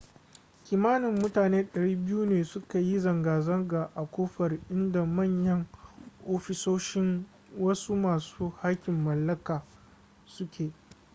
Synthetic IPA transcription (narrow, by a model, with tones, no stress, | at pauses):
kʲiː˨maː˦nɪ˨mːʊ˦taː˨neː˦ɗɐ˨ɽiː˦bɪ˦ju˦neː˨sʊ˦ka˨ji˦zɐ˨ŋɡaː˨zɐ˦ŋɡaː˨ʔa˨kʷoː˦ɸɐ˨rʔɪ˦nda˨mɐ˦˨ɲjɐ˦ŋʔoː˦ɸɪ˦soː˦ʃɪ˦ŋ | wɐ˦su˦maː˨suː˦ha˦kʲɪ˨mːɐ˨lːɐ˦kaː˨ | sʊ˦kʲeː˨